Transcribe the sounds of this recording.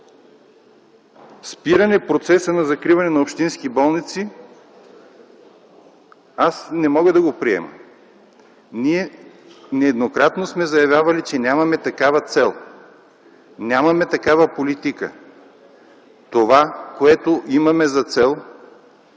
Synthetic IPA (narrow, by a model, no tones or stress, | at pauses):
spiɾɐnɛpɾot̪sɛsənɐzɐkɾivɐnɛnɐopʃt̪inskibɔlˠnit̪si | asnɛmɔɡəd̪ɐɡopɾiɛ̰mə̰ | niɛ | nɛːd̪nokɾat̪nosmɛzɐjɐvʲjavɐlit͡ʃɛnʲamɐmɛt̪ɐkavɐt̪sɛlˠ | nʲamɐmɛt̪ɐkavəpolit̪ikə̰ | t̪ovakoɛt̪oʔimɐmɛzɐt̪sɛlˠ